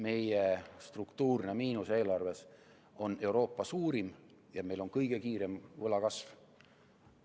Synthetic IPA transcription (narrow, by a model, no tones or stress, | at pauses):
me̞jest̪rukt̪uːrne̞miːnuse̞ːlɑrve̞s | o̞ne̞wɾo̞ːpːˑɑsuːɾim | jɑme̞jlo̞nkɤjɡ̥e̞kiːɾe̞mvɤlɑkɑsv